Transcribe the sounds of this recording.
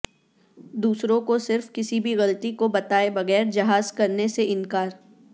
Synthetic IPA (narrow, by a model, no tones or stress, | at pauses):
d̪uːsɾõkosɪɾfkɪsibʱiɣɐlt̪ikobɐt̪aːebɐɣɛːɾd͡ʒɐɦaːzkɐɾneseɪ̃nkaːɾ